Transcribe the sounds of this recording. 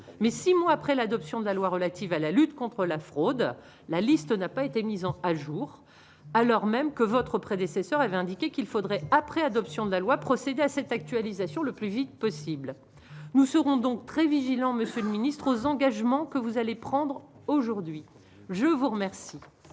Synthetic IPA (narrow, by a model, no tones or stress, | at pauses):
mɛsimwaapχɛlad̪ɔpsjɔ̃d̪əlalwaʁəlat̪ivalalyt̪kɔ̃t̪χəlafχod̪ | lalist̪napaet̪emizɑ̃aʒuʁ | alɔʁmɛmkəvɔt̪χəpχed̪esɛsœʁavɛɛ̃d̪ikʲekʲilfod̪ʁɛapχɛad̪ɔpsjɔ̃d̪əlalwapχɔsed̪easɛt̪ak̚t̪ɥalizasjɔ̃ləplyvit̪̚pɔsibl | nusəʁɔ̃d̪ɔ̃k̚t̪χɛviʒilɑ̃məsjøləminist̪χozɑ̃ɡaʒmɑ̃kəvuzalepχɑ̃d̪ʁ | oʒuʁd̪ɥi | ʒəvuʁəmɛʁsi